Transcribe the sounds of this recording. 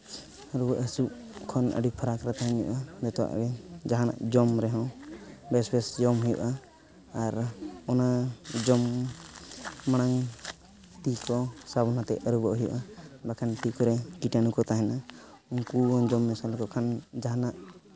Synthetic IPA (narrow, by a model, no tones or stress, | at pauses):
əɾubɔʔɦəsuʔ | kʰɔnə̰ɖupʰaɾakɾɛt̪aɦɛɲṵʔad̪ɛt̪ɔwa̰ʔɛd͡ʒaɦana̰ʔd͡ʒɔmɾɛɦɔ̃bɛsbɛsd͡ʒɔmɦɔjṵʔaː | ɾɔnad͡ʒɔm | aɽ̃aŋ | ʈikɔsabɔnat̪ɛ̰əɾubɔʔɦɛjṵʔabakʰanʈikɔɾɛkiʈanukɔt̪aɦɛna | uŋkuɔd͡ʒɔmːɛsalkɔkʰand͡ʒaɦanaʔ